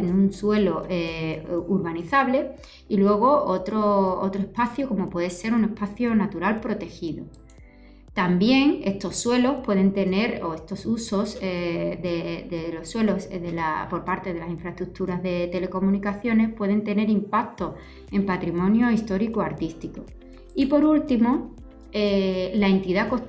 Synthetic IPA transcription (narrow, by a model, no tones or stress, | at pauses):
enũnswe̞loʔuɾβaniθaβle̞ | ilwe̞ɣ̞o̞ot̪ɾoo̰t̪ɾoe̞spaθjoko̞mo̞pwe̞ðese̞ɾune̞spaθjonat̪uɾalpɾo̞t̪e̞xiðo | t̪ambje̞ŋe̞st̪o̞sːwe̞lo̞hpwe̞ð̞ent̪e̞ne̞ɾo̞e̞st̪o̞suso̞sðeðelo̞sːwe̞lo̞zðelapo̞ɾpaɾt̪e̞ðe̞lasiɱfɾaest̪ɾuk̚t̪uɾazðe̞t̪e̞le̞ko̞mũnikaθjo̞ne̞spwe̞ð̞e̞nt̪e̞ne̞ɾimpak̚t̪o̞ | e̞mpat̪ɾimõ̞njoist̪o̞ɾikoaɾt̪ist̪iko | ipo̞ɾult̪imo | elae̞nt̪iðako̞